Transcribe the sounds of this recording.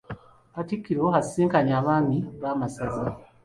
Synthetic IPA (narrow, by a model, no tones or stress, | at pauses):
atikːiɾoɦassiːŋkaɲaːβaːniβaːmasaza